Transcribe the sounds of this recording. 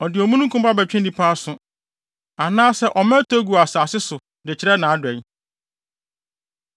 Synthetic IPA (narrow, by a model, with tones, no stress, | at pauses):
ɔ˨dɪ˨ɔ˨mũ˦nũ˦kʰũ˦m˦a˦bæ˨t͡ɕᶣɛ̃˦n˦dĩ˦pʰa˦sʊ˨ | a˨nãː˦sɛ˦ʔɔ˨mɛ̃˦tʰo˦ɡu˨a˨saː˨sɪ˦sʊ˨ | dɪ˨t͡ɕʰɪ˦ɾɛ˦nãː˨˦dʊ˨ɛ˨n˦